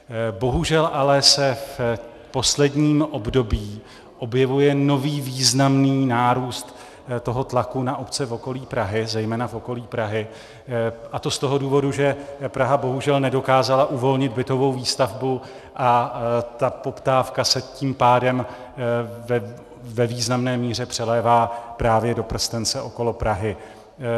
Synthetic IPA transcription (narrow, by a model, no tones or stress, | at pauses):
bo̞ɦuʒɛlʔalɛsɛf | po̞slɛdɲiːmʔo̞bdo̞biː | ʔo̞bjɛvujɛno̞viːviːznamniːnaːɾuːst̪ | t̪o̞ɦo̞t̪lakunaʔopt͡sɛfo̞ko̞liːpɾaɦɪzɛjmɛːnafo̞ko̞liːpɾaɦɪ | ʔat̪o̞st̪o̞ɦo̞duːvo̞duʒɛpɾaɦabo̞ɦuʒɛlnɛdo̞kaːzalaʔuvo̞lɲɪd̪̚bɪt̪o̞vo̞wviːst̪avbu | ʔat̪apo̞pt̪aːfkasɛciːmpaːdɛm | vɛviːznamnɛːmiːr̝ɛpr̝̥ɛlɛːvaːpɾaːvjɛdo̞pr̩st̪ɛnt͡sɛʔo̞ko̞lo̞pɾaɦɪ